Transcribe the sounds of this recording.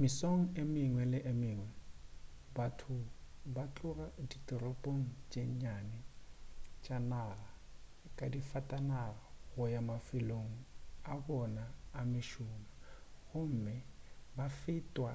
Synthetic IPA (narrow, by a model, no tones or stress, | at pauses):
mɪsoŋ̩emɪŋwɛlɪʔemɪːŋwɛ | batʰʊ | bat͡ɬʼʊraditʼɔrɔpʼoŋ̩t͡ʃʼeɲanɪ | t͡ʃʼanaɣa | kʼadifatʼanaɣaɣʊjamafɪloŋ̩abɔnaːmɪʃʊmaɣʊm̩mɪbafɪtʼwa